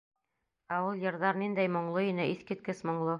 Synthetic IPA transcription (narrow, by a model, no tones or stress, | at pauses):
æulˠjɤ̆ɾðɑɾnind̪æjmŏɴlˠoinɘiθkɘ̆t̪̚kɘsmŏɴlˠɤ